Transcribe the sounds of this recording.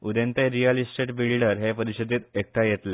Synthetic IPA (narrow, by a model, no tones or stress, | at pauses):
ud̪ent̪eɾijəlisʈeʈbiɭɖəɾɦepəɾiɕid̪ʱiːt̪ek̚ʈʰajet̪le